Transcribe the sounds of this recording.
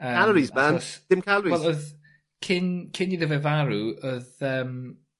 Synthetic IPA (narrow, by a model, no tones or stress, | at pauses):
əalˠəɹizmanɔsd̥ɪmkʰalɹiɛlˠɔð | kʰɪnkʰɪniðəvɛvaɾuəðəːm